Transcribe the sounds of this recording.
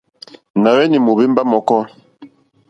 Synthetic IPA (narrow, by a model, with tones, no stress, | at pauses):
na˨wɛ˦ni˨mo˨be˦mba˦mɔ˨kɔ˦